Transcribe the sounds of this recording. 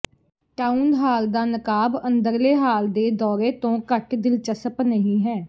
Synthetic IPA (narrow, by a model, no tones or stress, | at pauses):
ʈaːũndɦaːld̪aːnəkaːbənd̪əɾleːɦaːld̪eːd̪ɔːɾeːt̪õːkəʈd̪ɪlt͡ʃəsəpnəɦĩːɦɛː